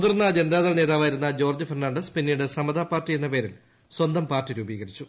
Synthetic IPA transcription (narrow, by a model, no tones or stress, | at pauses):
ud̪ɐrnːad͡ʑenɐd̪aːðɐlne̞ːðaːʋaːjiɾun̪ːɐd͡ʑo̞ːrd͡ʑɨfɐrnaːɳɖɐspinːijuɽesɐmɐd̪ʱaːpːaːrtːije̞nːɐpe̞ːɾil | swɐnd̪ɐmpaːrtiɾuːbiːɣɐɾit͡ɕːu